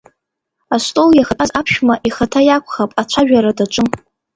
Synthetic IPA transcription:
astʼoljaχazapʰʃᶣmaʔiχatʰajakʷʰʼχapʼat͡ʃʷʰaʒᶣaɾadaʈ͡ʂʷʼɨm

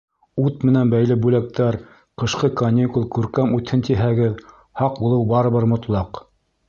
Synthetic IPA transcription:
ut̪̚mɘ̆nænbæjlɘbʉlæk̚t̪æɾ | qɤ̆ʃqɤkɐnʲikulˠkʉɾkæmʉt̪hɘnt̪iɦæɡɘð | hɑq̚bulˠɤwbɑɾɤ̆βɤɾmŏt̪lˠɑq

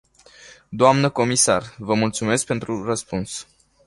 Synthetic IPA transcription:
d̪oamnəko̞misarvəmult̪sume̞sk̚pe̞nt̪ɾurəspuns

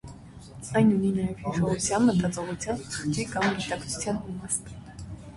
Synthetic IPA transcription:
ɑjnuninɑjɛvhiʃɔʁut͡sʰjɑnmət̪ʼɑt͡sʼɔʁut͡sʰjɑnʰə̥χt̪ikɑmɡit̪ɑkt͡sʰu̥t͡sʰjɑnmimɑst̪

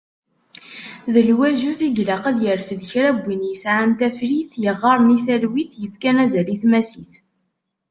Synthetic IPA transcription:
ðəlwæʒuθiɡlæqæðjəɾfðəçɾæbʷːinjəsʕant̪æfɾiθjəʁːɑɾˤniθælwiθjəfkænæzæliθmæsiθ

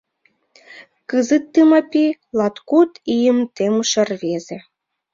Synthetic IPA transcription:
kɨzɨt̪ːɨmɑpʲilɑt̪kut̪ijəmt̪emʃə̆rβeze

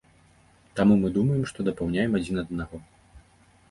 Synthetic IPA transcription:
t̪amumɨd̪umɐjɛmʂt̪ɔd̪ɐpawnʲajɛmad͡zʲinɐd̪naɣɔ

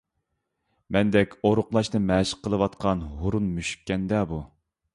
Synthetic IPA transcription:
mɛnd̪ɛkʲoɾʊqlˠɑʃnɨmɛʃə̥qʰːəlˠɨwɑt̪̚qʰɑnɦoɾunmyʃy̥kʲːɛnd̪ɛbu

